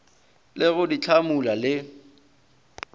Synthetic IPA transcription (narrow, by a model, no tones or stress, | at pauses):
lɪɣʊdit͡ɬʰamulalɪ